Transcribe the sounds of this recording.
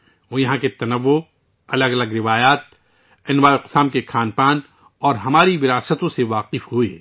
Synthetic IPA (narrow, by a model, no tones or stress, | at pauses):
ʋoːjɐɦãket̪ɐnəʋːo | ɐləɡɐləɡɾɪʋaːjaːt̪̚ | ɛnʋaːjoqʊ̥saːmkexaːnpaːn | ɔːɾɦɐmaːɾiʋɪɾaːsət̪õseʋaːqɪfɦuḛː